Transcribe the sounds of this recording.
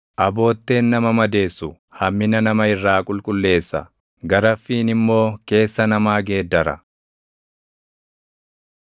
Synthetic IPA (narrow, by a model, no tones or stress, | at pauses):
ʔɐbo̞ːt̪ːe̞ːnːɐmɐmɐd̪e̞ːsːʊ | hɐmːɪnɐnɐmɐɪrːaːkʼʊlkʼʊlːe̞ːsːɐ̰ | ɡɐɾɐfːiːnɪmːo̞ːke̞ːsːɐnɐmaːɡe̞ːd̪ːɐɾɐ̰